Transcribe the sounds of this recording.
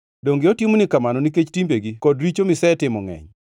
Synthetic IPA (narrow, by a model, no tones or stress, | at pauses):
doŋɡɪɔtimonikamanɔniket͡ʃtimbeɡikɔdɾit͡ʃomɪsɛtɪmɔŋɛ̰ɲ